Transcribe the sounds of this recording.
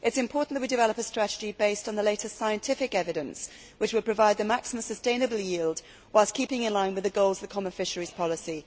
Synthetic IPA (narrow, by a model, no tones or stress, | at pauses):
ʔɪtsɪ̃mpʰɔɹʔn̩ðəʔ̚widɪvɛləpəstɹ̥atɪd͡ʒibeɪstn̩ðəleɪtʰəsaɪə̃ntʰɪfɪkɛvɨɾə̃ns | wɪt͡ʃwəd̚ˠpʰɹ̥əvaɪd̪̚ðəmaksɪmə̃msəstẽɪ̃nəbl̩ˠijiːlˠd | waɪlˠskʰiˑpɪ̃ŋɪ̃nlãɪ̃nwɨɪðəɡoʊlˠzð̥kʰɒmə̃nfɪʃəɹiz̥pʰɒlɪsi